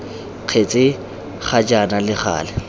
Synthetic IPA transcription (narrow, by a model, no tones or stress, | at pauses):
q͡χʰet͡sʼɪ | χʰad͡ʒanalɪχa̰ːlɛ